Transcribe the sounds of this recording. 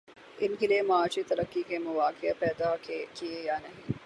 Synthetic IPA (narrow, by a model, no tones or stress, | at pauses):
ʔinɦileːmaaːʃiːt̪ɐɾɐkːiːɡeːmɐʋaːkʰeɐpɛːd̪aːkkiejaːnɐɦi